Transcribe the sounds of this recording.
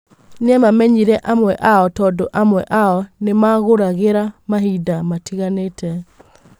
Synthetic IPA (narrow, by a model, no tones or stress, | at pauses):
neɛmamɛɲiɾɛʔamwɛʔaɔtɔdoʔamwɛ̰ʔaɔnemaɣoɾaɣeɾamaɦidamatiɣanetɛ